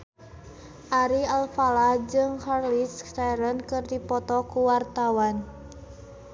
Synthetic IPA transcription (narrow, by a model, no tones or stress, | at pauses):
ʔaɾialfalad͡ʒɨŋharlistaɾənkɨrdipɔt̪ɔkuwart̪awan